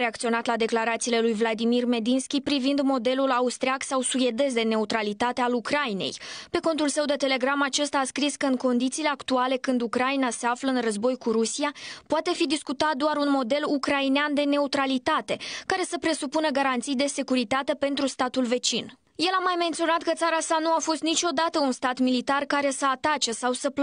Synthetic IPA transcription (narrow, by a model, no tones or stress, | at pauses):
ɾeakt̪sio̞nat̪lad̪e̞klaɾat̪siːle̞lujvlad̪imirme̞d̪inskʲipɾivind̪mo̞d̪e̞lulaust̪ɾiaksawsuje̞d̪e̞z̬d̪e̞ne̞ut̪ɾalit̪at̪e̞alukɾaine̞̰jpe̞ko̞nt̪ulsəwd̪e̞t̪e̞le̞ɡɾamat͡ʃe̞st̪aːskɾiskəɨnko̞nd̪it̪siːle̞akt̪uale̞kɨnd̪ukɾainase̞afləɨnrəzbo̞jkuɾusiapoat̪e̞fid̪iskut̪at̪̚d̪oaɾunmo̞d̪e̞lukɾaineand̪e̞ne̞ut̪ɾalit̪at̪e̞kaɾe̞səpɾe̞supunəɡaɾant̪sijd̪e̞se̞kuɾit̪at̪e̞pe̞nt̪ɾust̪at̪ulve̞t͡ʃin | je̞lamajme̞nt̪sio̞nat̪kət̪saɾasanuafo̞st̪nit͡ʃʲo̞d̪at̪əunst̪at̪milit̪arkaɾe̞səat̪at͡ʃesawsəp